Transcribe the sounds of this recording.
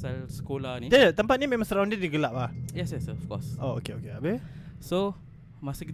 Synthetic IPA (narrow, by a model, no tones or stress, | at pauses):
salsə̥kolanidət̪əmpat̪̚nimẽmãsəɾaw̃ndədiɡəlaʔ̚lahjɛsjɛsɔfkɔ̰soo̰keo̰keabəso | masukit̪